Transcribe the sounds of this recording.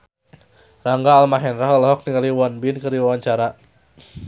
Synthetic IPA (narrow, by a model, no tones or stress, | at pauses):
raŋɡaːlmaɦɛnraɦləlɔɦɔk̚niŋaliwɔnbɪnkərɾdiwawaɲt͡ʃaɾa